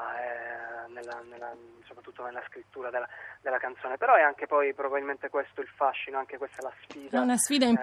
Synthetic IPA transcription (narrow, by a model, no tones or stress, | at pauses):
ɛnelːanelːasopɾat̪ːut̪ːonelaskɾit̪ːuːɾad̪elːad̪elːakant̪soːnepeɾɔɛaŋkepɔjpɾobabilment̪ekwest̪oilfaʃːinoaŋk̟ekwest̪alasfiːdaunasfiːd̪aim